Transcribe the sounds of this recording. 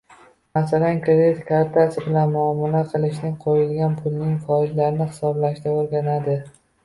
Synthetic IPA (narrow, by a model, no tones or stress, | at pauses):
masalankʰɾed̪ɪt̪kʰaɾt̪ʰasɪbɪlanmʊamːalaqʰɨlˠɪʃ̬nɪŋqʰojɪlɡʲanpʰʊlˠnɪŋfɒɪd͡ʒlaɾɪnɪhɪ̥sɒblaʃd̪aoɾɡʲanad̪ɪ